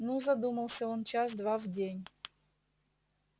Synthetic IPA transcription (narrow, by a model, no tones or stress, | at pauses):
nuzad̪umɐlˠsʲaɔnt͡ʃazd̪ʋavɟʲeɲʲ